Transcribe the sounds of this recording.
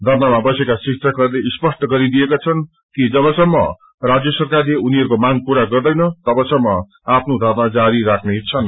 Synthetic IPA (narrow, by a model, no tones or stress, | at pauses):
d̪ʱʌrmamabʌsekasiksʰʌkʌɾleispʌsʈʌɡʌɾid̪ijekat͡sʰʌn | kid͡zʌβʌsʌmːʌ̰ | rad͡zjʌsʌrkarleuniɦʌɾukomaɡpuɾaɡʌrd̪ʌjnʌt̪ʌbʌsʌmːʌ | apʰnod̪ʱʌrmad͡zaɾiɾakʰneɦt͡sʰʌn